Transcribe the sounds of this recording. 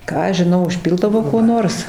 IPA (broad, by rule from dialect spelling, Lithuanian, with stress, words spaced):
ˈkɑː ɐʃ ʒʲɪˈnɐʊ ʊʃʲˈpʲɪlˠdɐʋoː kuɔ ˈnoːrs